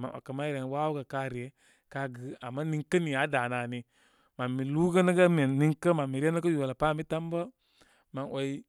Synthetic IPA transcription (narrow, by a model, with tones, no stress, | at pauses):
ma̰˨nʔa̰˨kə˨ma˦i˦ɾe˨n˦wa˦wu˦ɡə˨ka˦ɾi˨e˦ | ka˦ɡə˨˦a˨mːa˦ni˦ŋkːə˦ni˨ja˨˦da˨na˨ni˨ | ma˨mːi˨lu˦kə˦nə˦ɡə˦me˨ni˦ŋkə˦ma˨mi˨ɾe˦nə˦kə˦jo˨la˨pa˦˨mi˦ta˦mbə˦ | ma˨nwʔa˨i˦